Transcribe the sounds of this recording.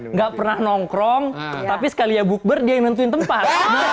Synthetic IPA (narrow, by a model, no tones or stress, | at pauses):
ŋɡaʔpərnahnɔŋkɾɔŋt̪apisə̥kalijabuk̚bərdianənt̪uɪnt̪əmpat̪̚nə